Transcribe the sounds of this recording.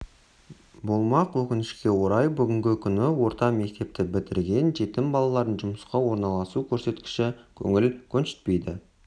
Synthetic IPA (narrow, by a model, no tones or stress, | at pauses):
bolˠmɑqwɵkʲɪnɪʃkʲe̞wo̞ɾɑjbʏɡʲɪŋɡʲɪkʲʰʏnɪwo̞ɾt̪ɑme̞kt̪e̞p̚t̪ɪbɪt̪ɪ̰ɾɡʲe̞nʒe̞t̪ɪmbɑlˠɑlˠɑɾənʒʊməsqɑwo̞ɾnɑlˠɑsukʲʰɵɾse̞t̪kʲɪ̥ʃɪkʲʰɵ̰ŋɪlkʲʰɵnʃɪ̥t̪pe̞jd̪ɪ